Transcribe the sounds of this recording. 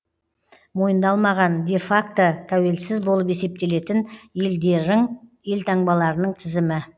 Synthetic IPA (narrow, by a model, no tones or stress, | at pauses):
mo̞jənd̪ɑlˠmɑʁɑnd̪e̞fakt̪ət̪ʰæwe̞lsɪzbo̞lˠəpe̞se̞p̚t̪e̞le̞t̪ɪneld̪eɾɪŋje̞lt̪ʰɑɴbɑlˠɑɾənəɴt̪ʰɪzɪmɪ